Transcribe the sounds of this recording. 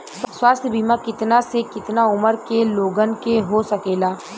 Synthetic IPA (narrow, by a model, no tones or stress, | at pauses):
sswaːst̪ʰjəbʱiːmakɪt̪nasekɪt̪naʊməɾkeloːɡənkeɦosɐkeːlaː